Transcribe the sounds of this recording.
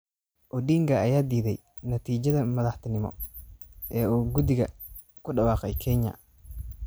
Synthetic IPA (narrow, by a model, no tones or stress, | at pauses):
ʔɔɖiːŋkʰɐɐjaːd̪iːðɛ̰j | nɐt̪ʰiːt͡ʃɐðɐmɐðɐħt̪ʰɐnɪmɔ̰ | ʔɛːuːɡʊd̪ɪɣɐ | kʰʊɖɐwɑːqɛjkʰɛɲɐ̰